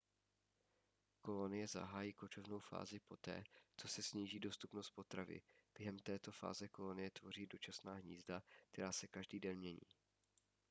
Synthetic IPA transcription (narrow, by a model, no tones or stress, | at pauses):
ko̞lo̞nɪjɛza̰ɦaːjiːkot͡ʃo̞vno̞wfa̰ːzɪpo̞t̪ɛ̰ːt͡so̞sɛsɲiːʒiːdo̞st̪upnost̪̚po̞t̪ɾavɪ̰b̥jɛɦɛmt̪ɛːt̪o̞fa̰ːzɛko̞lo̞nɪjɛt̪vo̞r̝iːdo̞t͡ʃasnaːɦɲiːzdak̚t̪ɛɾaːsɛkaʒdiːdɛnmɲɛɲḭː